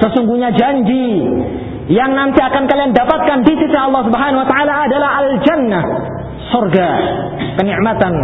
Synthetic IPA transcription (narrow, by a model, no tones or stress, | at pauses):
səsuŋɡuɲad͡ʒaɲd͡ʒi | jaŋnant̪iakankaliandapat̪̚kandisisaɑlːɑhs̬ubəɦanawat̪aalaːdalaɦald͡ʒanːah | sɔrɡa | kəniʔmat̪an